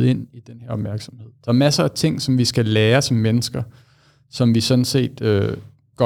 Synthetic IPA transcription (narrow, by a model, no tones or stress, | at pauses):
e̝n̰id̥enheɐɒ̽b̥mæɐɡ̥sɒmhe̝ð̰ˠd̥ɑɐmæsɐæt͡sʰe̝ŋ̰sɒ̽mʋisɡ̥æleːɐsɒ̽mːenəsɡ̥ɐ | sɒ̽mʋisɒ̽nse̝̰ːd̥ø | ɡ̥ɒ